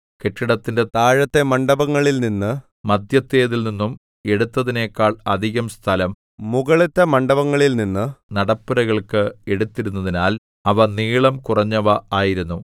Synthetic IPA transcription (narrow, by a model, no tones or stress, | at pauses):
keʈːiɽɐt̪ːinde̞t̪aːɻɐt̪ːemɐɳɖɐbɐŋːɐɭilninːɨ | mɐd̪ʱjɐt̪ːeːðilninːum | e̞ɽut̪ːɐðine̞ːkːaːɭɐd̪ʱiɣɐmst̪ʰɐlɐm | muɣɐɭit̪ːɐmɐɳɖɐbɐŋːɐɭilninːɨnɐɽɐpːuɾɐɣɐɭkɨe̞ɽut̪ːiɾunːɐðinaːl | ɐʋɐniːɭɐmkurɐɲːɐʋɐaːjiɾunːu